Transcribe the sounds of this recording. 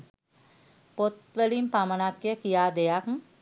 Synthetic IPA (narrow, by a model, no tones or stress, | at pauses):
pot̪ʋəlimpamənakjəkijaːd̪ejak